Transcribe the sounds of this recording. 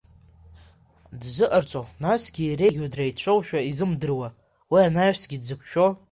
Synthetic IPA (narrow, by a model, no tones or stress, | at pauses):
dzɨʔart͡sʷʼonasɡʲiɾe̞ɡʲodrajt͡ɕʷʰowʃᶣaizɨmdɨrwa | wianajħʷsɡʲidzɨkʷʰʃᶣo̞